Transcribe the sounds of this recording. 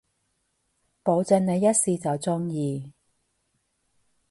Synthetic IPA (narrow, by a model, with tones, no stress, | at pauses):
po˨˧wt͡sɵ˧nŋne˨˧jːɐ˥t̚siː˧t͡sɐ˨wt͡sʊ˥ŋjiː˨˧